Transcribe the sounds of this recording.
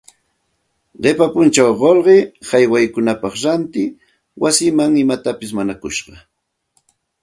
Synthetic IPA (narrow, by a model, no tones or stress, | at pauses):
ɢepapʊnt͡ʃawɢolɢehajwajkʊnapɑχɾant̪ɪ | wasɪmaŋɪmat̪apɪsmanakʊʃɢɑ